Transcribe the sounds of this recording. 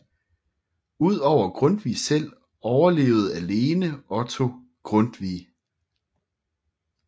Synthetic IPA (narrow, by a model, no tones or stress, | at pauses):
uð̞̰ˠɒʊ̰ɐɡ̥ʁɔnd̥ʋiːsel̰ | ɒʊɐle̝̰ːʊð̞̩ˠæle̝ːnəɒ̽t͡sʰo̝ | ɡ̥ʁɔnd̥ʋḭː